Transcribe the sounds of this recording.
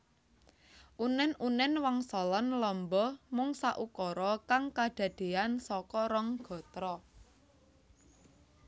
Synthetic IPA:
ʔunɛnunɛnwaŋsɔlɔnlɔmbɔmʊŋsaʔukɔɾɔkaŋkaɖ̪̥ä̤ɖ̪̥e̤ansɔkɔɾɔŋɡ̥ɔ̤t̪ɾɔ

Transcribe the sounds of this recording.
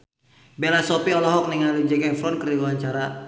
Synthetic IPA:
belasɔpiɔlɔɦɔk̚niŋalid͡ʒɛkafɾɔnkəɾiuaɲt͡ʃaɾa

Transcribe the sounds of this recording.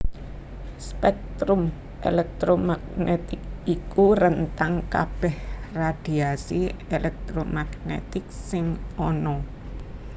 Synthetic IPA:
spɛk̚t̪ɾum | ʔḛlɛk̚t̪ɾomaɡnet̪ɪk̚ikuɾənt̪aŋkab̥ɛhrad̪̥iasielʔɛk̚t̪ɾomaɡ̥nḛt̪ɪk̚sɪŋɔnɔ

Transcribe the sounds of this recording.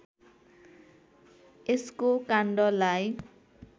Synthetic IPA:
eskokaɳɖʌlaj

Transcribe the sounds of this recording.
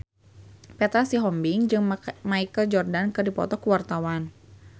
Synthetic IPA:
pɛt̪asiɦɔmbiŋd͡ʒɨŋmaikəld͡ʒɔrdankɨrdipɔ̰t̪ɔkuwart̪awan

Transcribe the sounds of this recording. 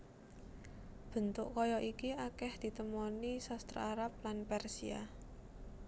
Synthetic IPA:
b̥ə̤nt̪ʊʔkɔjɔʔikiakɛhd̪̥i̤t̪əmɔnisɔst̪ɾa̰aɾap̚lanpɛrsia̰

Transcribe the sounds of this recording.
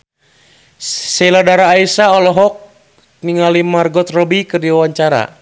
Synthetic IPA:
sɛladaɾaːisaɔlɔɦɔk̚ | niŋalimarɡɔt̪rɔbikɨrdiwawaɲt͡ʃaɾa̰

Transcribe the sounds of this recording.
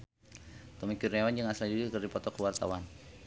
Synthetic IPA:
t̪ɔmikurewand͡ʒaŋasadudikərdipɔt̪ɔkəwart̪a̰wan

